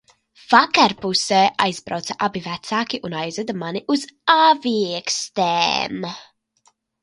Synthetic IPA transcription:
v̥akaɾpusɛːʔajzbɾa̰wt̪sɐʔabivɛt̪saːkiʔunajzad̪amaniʔuzaːvikst̪ɛ̰ːm

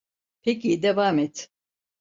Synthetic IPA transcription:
pʰecid̪evamɛt̪

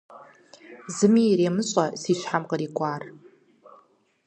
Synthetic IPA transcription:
zɨmiɾimɨɕʷʼasiʃʷħamqʼəɾikʷʼar

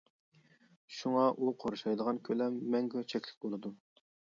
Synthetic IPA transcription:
ʃuŋɑʔuqʰoɾuʃɑjd̪əʁɑnkʲʰølɛmːɛŋɡʲøt͡ʃʰɛkʲlɪ̥k̚ʲbolˠɨd̪u

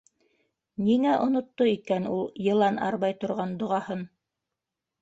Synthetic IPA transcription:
niŋæʔŏnŏt̪ːoikænulˠjɤ̆lˠɑnɑ̰ɾβɑjt̪ŏɾʁɑnd̪ŏʁɑhɤn

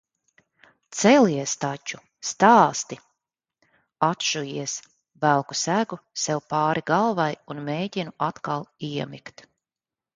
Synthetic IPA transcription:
t̪sɛliɛst̪at͡ʃu | st̪aːst̪i | at̪ʃujiɛs | vælˠku̥sæɡusɛwpaːɾiɡalˠvajunmeːɟinuʔat̪kalˠiɛmikt̪

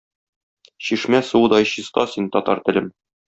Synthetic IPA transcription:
ɕiʃmæsuwɤ̆d̪ɒjɕist̪ɑsint̪ɒt̪ɑ̰ɾt̪ɘ̆lɘm

